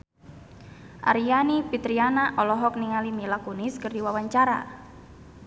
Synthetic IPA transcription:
ʔa̰ɾijanipit̪ɾianaʔɔlɔɦɔk̚niŋalimilakuniskərdiwawaɲt͡ʃaɾa̰

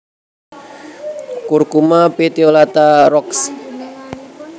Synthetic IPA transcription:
kurkumapet̪iolat̪aɾɔks

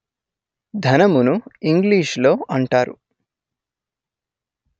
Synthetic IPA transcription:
d̪ʱɐnɐmunuiŋɡliːʂlo̞ːɐɳʈaːɾṵ

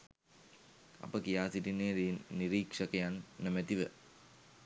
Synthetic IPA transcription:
a̰pəkijaːsiʈineiniɾiksəkəjanːəmət̪iʋə

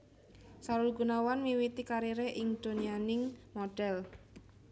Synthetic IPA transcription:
saɾʊlɡunawanmiwit̪ikaɾiɾeʔɪŋd̪̥o̤nianɪŋmoɖ̥ɛl

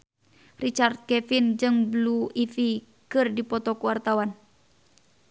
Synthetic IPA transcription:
rit͡ʃart̪̚kɛfind͡ʒɨŋbluifi | kɨrdipɔt̪ɔkuwart̪awan

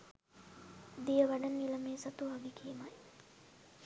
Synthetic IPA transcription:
d̪ijəʋɐɖɐnilɐmeːsɐt̪uaɡikimɐj

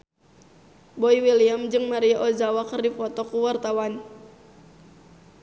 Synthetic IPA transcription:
boiwiliamd͡ʒɨŋmaɾiaʔozawakərdifɔt̪ɔkuwart̪awan

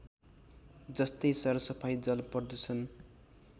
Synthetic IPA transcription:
d͡zʌst̪ʌjsʌɾʌsʌpʰajd͡zʌlpʌrd̪ut͡sʰʌn

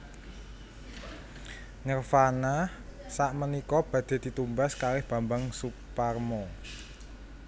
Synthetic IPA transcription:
ɲərfanah | saʔmənikɔb̥ä̤d̪̥e̤d̪̥i̤t̪umbaskalɪhb̥a̤mbaŋsuparmɔ

